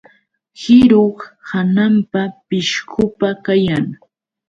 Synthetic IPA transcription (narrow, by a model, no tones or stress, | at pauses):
hɪɾoχhanampapɪʃkʊpakajaŋ